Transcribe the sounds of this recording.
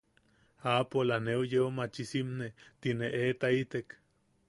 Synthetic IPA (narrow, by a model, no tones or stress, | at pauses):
apolaneujeumat͡ʃisimnet̪ineʔet̪ait̪ek